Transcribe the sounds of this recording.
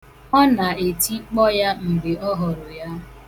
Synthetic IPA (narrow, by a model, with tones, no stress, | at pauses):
ɔ˦na˨e˨ti˦k͡pɔ˦ja˦m̩˨ɡ͡be˨ɔ˦ɦɔ˨ɾʊ˨ja˦